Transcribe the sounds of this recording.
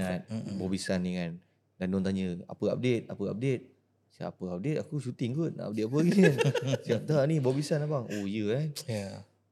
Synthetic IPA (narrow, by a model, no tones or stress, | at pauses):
at̪̚bɔbisaniŋan | dandɔnt̪aɲəa̰pəa̰p̚det̪̚apəa̰p̚det̪̚ | sa̰a̰pəap̚det̪̚akusut̪iŋɡut̪̚na̰ʔa̰p̚det̪̚apəaɡikansap̚t̪anibɔbisanapaŋojəkanja